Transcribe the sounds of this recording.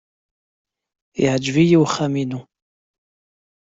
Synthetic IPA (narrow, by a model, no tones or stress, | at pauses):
iʕd͡ʒvijiwχæminu